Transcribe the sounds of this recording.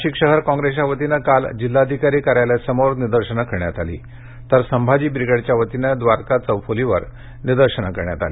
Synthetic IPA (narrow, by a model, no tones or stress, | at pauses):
ɕiːkɕəɦəɾkɔ̃ŋɡɾesaʋət̪inəkald͡ʑilːaəd̪ʱikaɾiːkəɾajlasəmoɾniɾd̪əɾɕənakəɾɳjat̪alḭ | t̪əɾsəmbʱad͡ʑiːbɾiɡəɽt͡ɕjaʋət̪inəd̪ʋaɾkat͡səʋfoliʋə̰ɾ | nid̪əɾɕənakəɾɳja̰t̪a̰li